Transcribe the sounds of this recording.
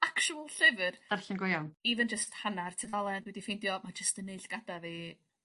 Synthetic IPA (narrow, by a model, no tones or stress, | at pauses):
akʃuəlˠɬɪvərd̥arɬɪnɡɔjawniðənd͡ʒəsthanartʰəðalˠɛndwɛdifejndjɔmad͡ʒəstəneɨɬɡ̥adavi